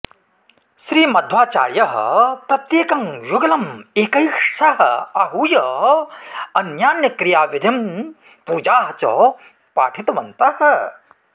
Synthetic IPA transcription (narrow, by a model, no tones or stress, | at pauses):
ʃɾiːmɐd̪ʱʋaːt͡ʃa̰ːɾjɐɦɐ̰pɾɐt̪jeːkɐŋjuɡɐlɐmeːkɐjʂʂɐɦɐ̰ɐɦuːjɐ | ɐnjaːnjɐkɾijaːʋid̪ʱim | puːd͡ʒaːɦɐt͡ʃɔ̰ː | paːʈʰit̪ɐʋɐnt̪ɐhɐ̆